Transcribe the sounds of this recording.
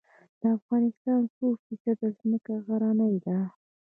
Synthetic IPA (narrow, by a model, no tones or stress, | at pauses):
d̪̥əafɣɑnɪst̪ɑnsofisad̪əzməkaɣaɾanəjd̪a